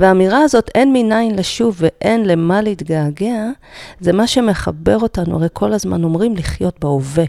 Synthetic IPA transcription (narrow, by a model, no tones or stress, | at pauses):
veamiʁaːzo̞te̞nminainleʃuvːeʔenle̞maleitɡaːɡea | zemaʃe̞me̞χabe̞ʁo̞tanua̰ʁejkʰo̞lazma̰no̞mʁimliχjo̞tbeove